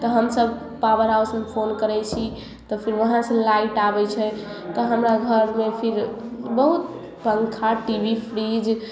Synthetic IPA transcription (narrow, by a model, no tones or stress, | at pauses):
t̪ɔɦəmsəb | pawəɾɦawsmepʰonkəɾɛt͡ʃʰi | t̪ɔpʰiɾʋəɦãsə̃laiʈabɛt͡ʃʰɛ | t̪ɔɦəmɾaɡʱəɾmepʰiɾbəɦut̪ | pəŋkʰaʈibipʰɾid͡ʒ